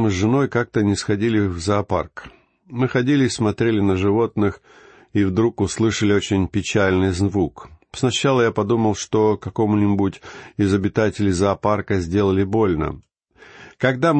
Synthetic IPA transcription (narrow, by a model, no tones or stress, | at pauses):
mɨʐɨno̞jkak̚t̪ənʲɪsxɐdʲilʲɪvzɐːpa̰rk | mɨxɐdʲilʲɪsmɐt̪ɾʲelʲɪnəʐɨvo̞t̪nɨx | ivd̪ɾukʊslˠɨʂəlʲɪo̞t͡ɕɪnʲpʲɪt͡ɕælʲnɨjzvuksnɐɕːalˠəjapɐd̪uməlˠʂt̪o̞kɐkomʊnʲɪbutʲɪzəbʲɪt̪atʲɪlʲɪzɐːparkəzʲdʲe̞lˠəlʲɪbo̞lʲnə̰ | kɐɡd̪a